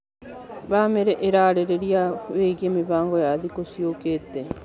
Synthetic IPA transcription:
βaːmeɾeʔeɾaːɾeɾeɾiaβeiɡiamiβaːŋɡojaːðikosiokete

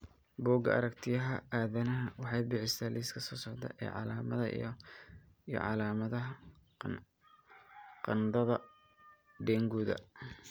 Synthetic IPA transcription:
bɔːɡɐɐ̰ɾɐkt̪ʰɪjɐɦɐaːðɐnɐɦɐwɑħɑjbɪħɪst̪aːlʔiːskʰɐsɔːsɔʕd̪ɐ̰ʔɛ̰ːʕɑ̰laːmɐðɐ̰ | ijɔ̰ʕɑ̰laːmɐðɐɦɐ | qɑnd̪ɐðɐ | ɖɛːŋɡuːðɐ̰

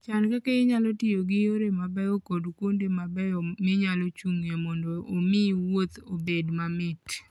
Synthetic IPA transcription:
t͡ʃankakaɪɲalɔtijoɡɪjoɾemabɛokɔdkwondemabɛɔmɪɲalɔt͡ʃuŋemɔndɔomɪwot̪obedmamɪt

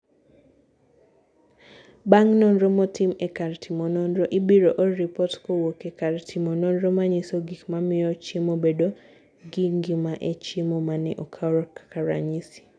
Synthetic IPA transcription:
baŋnɔnɾɔmɔtimɛkaɾtʰimɔnɔnɾɔʔibiɾoʔɔɾipɔtkowokekaɾtʰimɔnɔnɾɔmaɲisoɡikmamɪɔt͡ʃemobedo | ɡiŋɡimaʔet͡ʃemomanɪʔɔkʰaɾɔkḁkaɾa̰ɲisi̥

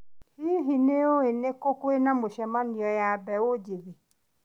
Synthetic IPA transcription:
hiɦineoenekokoenãmoʃɛmãnĩɔjabɛwod͡ʒebi

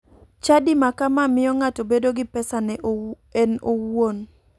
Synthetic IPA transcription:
t͡ʃadimakamamɪjɔŋatobedoɡɪpɛsanɛ | ɛnowon

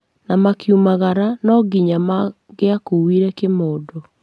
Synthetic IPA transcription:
namakjumaɣaɾanɔɡiɲama | ɣeakuwiɾɛkemoːdo

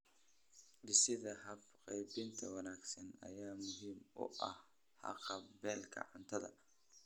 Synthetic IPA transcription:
ɖɪsɪðɐhɐbqɛjbɪnt̪ʰɐwɑnaːɡsɐnɐ̰jaːmʊɦiːmʊ̰ʔɐh | hɑ̰qɑbɛːlkʰɐ̰ʕʊnt̪ʰɐðɐ̰

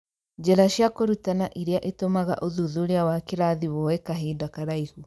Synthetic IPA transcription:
d͡ʒɛɾaʃjakoɾutanaʔiɾeaʔetomaɣa̰ʔoðuðoɾeawakeɾaðiwɔwɛkaɦidakaɾaihu

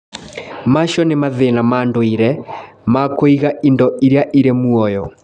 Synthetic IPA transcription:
maʃɔnemaðenamaːndoiɾɛmakoiɣaʔindɔiɾjaʔiɾemuɔjɔ

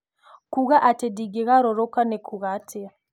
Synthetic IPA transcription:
kuɣaʔatɛdiɡɛɣaɾɔɾɔkanɛkʰuɣatʰɛ

